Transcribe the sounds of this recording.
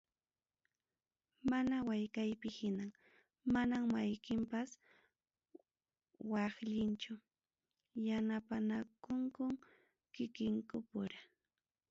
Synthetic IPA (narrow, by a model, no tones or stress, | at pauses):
manawajkajpɪhɪnaŋ | manaŋmajkɪmpas | wɑχʎɪnt͡ʃʊ | janapanakʊŋkʊŋ | kɪkɪŋkʊpʊɾa